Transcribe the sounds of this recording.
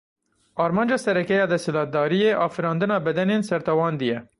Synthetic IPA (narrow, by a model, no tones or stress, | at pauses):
ɑːɾmɑːnd͡ʒɑːsɛɾɛkɛjɑːd̪ɛshɪlɑːt̪̚d̪ɑːɾijeːʔɑːfɨɾɑːnd̪ɨnɑːbɛd̪ɛneːnsɛɾt̪ɛwɑːnd̪ɨjɛ